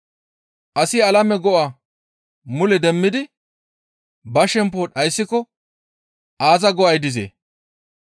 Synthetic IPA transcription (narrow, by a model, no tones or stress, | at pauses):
ʔɐsɪɐlɐmɛɡɔʔa | mʊlɛd̪ɛmːɪd̪ɪ | bɐʃɛmp̬oːᶑɐjsːɪkɔ | ʔaːzɐɡɔɐjd̪ɪzḛː